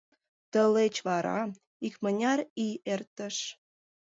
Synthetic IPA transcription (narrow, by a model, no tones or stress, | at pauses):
t̪əlet͡ɕβɑɾɑ̰ | ikmə̆nʲɑɾiert̪ə̆ʃ